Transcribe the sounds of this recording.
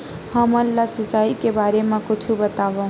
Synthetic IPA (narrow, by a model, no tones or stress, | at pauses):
həmənlasət͡ʃaikebaɾemãkut͡ʃʰubət̪aʋə̃